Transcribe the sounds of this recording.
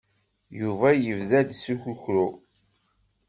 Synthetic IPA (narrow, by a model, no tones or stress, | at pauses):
juvæjəvðæd̪suçuçɾu